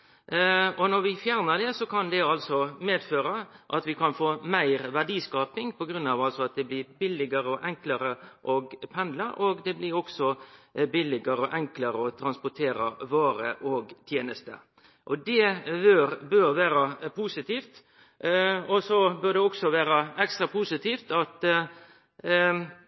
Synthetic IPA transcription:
ɔnɔɾʋɪfjæːɾnəd̪ɛsɔkʰɑnd̪ɛɑlsɔmeːd̪føːɾəʔɑt̪ʋɪkʰɑnfoːmæɪɾʋæɖiːskɑːpɪŋpʰɔɡɾʉnːɑːʋɑlsɔɑt̪̚d̪ɛblɪːɾbɪlɪɡəɾəɔʔɛŋkləɾəʔɔɡpʰɛnd̪ləʔɔɡd̪ɛblɪɾɔksɔbɪlːɪɡəɾəɔʔɛŋkləɾəɔt̪ʰɾɑnspɔʈ̪ʰeːɾəʋoːɾəʔɔɡt̪ʰjeːnəst̪ə̰ | ʔɔd̪ɛbøɾbøɾʋæːɾəpʰuːsɪt̪iːft̪ | ɔsɔbøɖ̪ɛɔksɔʋæːɾəɛkst̪ɾɑpʰuːsɪt̪ʰiːft̪ɑt̪

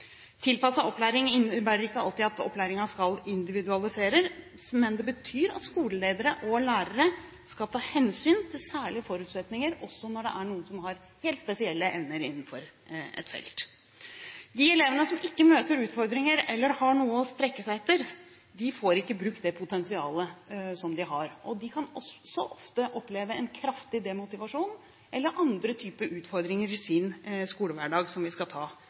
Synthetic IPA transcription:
t̪ʰɪlpɑsɑʔɔplæːɾɪŋɪnəbæːɾəɾɪkːəɑ̰lt̪ɪɑt̪ɔ̰pːlæːɾɪŋɑskɑlɪnd̪ɪʋɪd̪ʉɑlɪseːɾəɾmɛnd̪ɛbət̪ʰyːɾɑ̰t̪skuːləleːd̪əɾəʔɔlæːɾəɾə | skɑlt̪ʰɑːhɛnsyːnt̪ʰɪlsæːɭɪəfɔɾʉːt̪sɛt̪nɪŋəɾɔsːɔnɔɖɛ̰ʔæɳuːənsɔmhɑɾ | heːlt̪spɛsɪɛlːəʔɛʋnəɾɪ̰nːn̩fɔɾɛ̰t̪fɛ̰lt̪ | d̪ɪɛleːʋənəsɔmɪkːəmøːt̪əɾʉːt̪fɔɾd̪ɾɪŋəɾɛlːəɾhɑɳuːəɔst̪ɾɛkːəsæɪɛt̪ːəɾ | d̪ɪfoːɾɪkːəbɾʉk̚t̪̚d̪ɛpʰʊt̪ʰɛnsɪɑːləsɔmd̪ɪɦɑɾʔɔd̪ɪkʰɑnɔsːɔʔɔft̪əʔɔpleːʋəɛnkʰɾɑft̪ɪd̪ɛmʊt̪ɪʋɑʂuːn | ʔɛlːəɾʔɑnd̪ɾət̪ʰyːpəʔʉːt̪fɔɾd̪ɾɪŋəɾɪsɪnskuːləʋæɖɑːɡsɔmʋɪskɑt̪ʰɑː

